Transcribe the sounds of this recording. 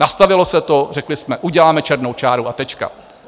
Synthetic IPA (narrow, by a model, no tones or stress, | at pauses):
nast̪avɪlosɛt̪or̝ɛklɪsmɛʔuɟɛlaːmɛt͡ʃɛɾnowt͡ʃaːɾuʔat̪ɛt͡ʃka̰